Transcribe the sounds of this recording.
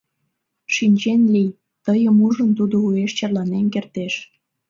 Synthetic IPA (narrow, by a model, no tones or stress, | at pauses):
ʃinʲt͡ɕenlij | t̪əjəmuʒənt̪ud̪oueʃt͡ɕɑrlɑnemkert̪eʃ